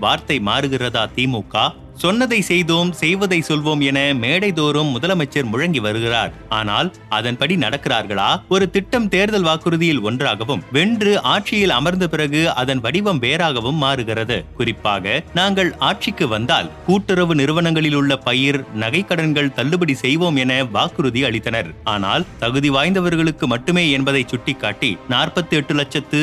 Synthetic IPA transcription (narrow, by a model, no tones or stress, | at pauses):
ʋaːɾt̪ɐɪmaːɾɯɣɪrɐðaːt̪iːmoːkːaː | sɔnːɐðɐɪsɛjðoːmsɛjʋɐðɐɪsɔlʋoːmɛnɐmeːɽɐɪðoːɾɯmːʊðɐlɐmɐt͡ʃːɐɾmʊɻɐŋɡiʋɐɾɯɣɪra̰ːɾa̰ːna̰ːl | ɐðɐnpɐɽinɐɽɐkːɪraːɾɣɐɭaːɔɾɯt̪ɪʈːɐmt̪eːɾðɐlʋaːkɯɾɯðɪjɪlɔndraːɣɐʋɯmʋɛɳdrɯʔaːʈ̚t͡ʃɪjɪlɐmɐɾnd̪ɐpɪrɐɣɯɐðɐnʋɐɽɪʋɐmʋeːɾaːɣɐʋɯmːaːɾɯɣɪrɐðɯ̰kʊrɪpːaːɣɐnaːŋɡɐɭaːʈ̚t͡ʃɪkːɯʋɐnd̪a̰ːlkuːʈːɪɾɐʋɯnɪɾɯʋɐnɐŋɡɐɭɪlʊɭːɐpɐjɪɾnɐɣɐɪkːɐɽɐnɡɐɭt̪ɐlːɯbɐɽisɛjʋoːmɛnɐʋaːkɯɾɯðiɐɭɪt̪ːɐnɐɾaːna̰ːlt̪ɐɣɯðiʋaːjnd̪ɐʋɐɾɣɐɭɯkːɯmɐʈːɯmeːɛnbɐðɐɪt͡ʃʊʈːɪkːaːʈːinaːrpɐt̪ːɯɛʈːɯlɐt͡ʃːɐt̪ːɯ